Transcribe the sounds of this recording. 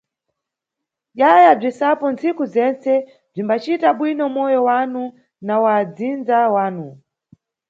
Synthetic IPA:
ʄajab͡ʐisapɔnt͡sikuzɛnt͡sɛ | b͡ʐimbat͡ʃitaɓwinɔmɔjɔwanu | nawad͡zind͡zawaːnu

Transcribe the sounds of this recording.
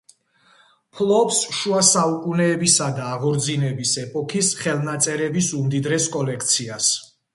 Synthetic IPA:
pʰlˠɔpsʃuasaukʼunɛːbisad̪aːʁɔɾd̪zinɛbisɛpʼɔkʰisχɛlˠnat̪sʼɛɾɛbisumd̪id̪ɾɛskʼɔlɛkʰt̪sʰias

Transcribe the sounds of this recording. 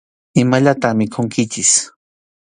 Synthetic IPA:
ɪmaʎat̪aχmɪkʰoŋkɪt͡ʃɪs

